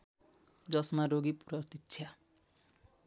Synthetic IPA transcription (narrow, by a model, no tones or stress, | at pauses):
d͡zʌsmaɾoɡipuɾʌrt̪itːt͡sʰja